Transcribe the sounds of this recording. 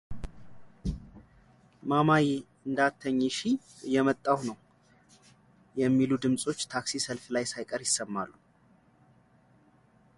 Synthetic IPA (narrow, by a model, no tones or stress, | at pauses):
mamaji | ɨnd̪at̪ʰːəɲːeʃi | jɛmət̪ʼːawnəw | jɛmːilud̪ɨmsʼo̞t͡ʃːt̪ʰaksisəlflajsajkʼəɾjɪsːəmːalːu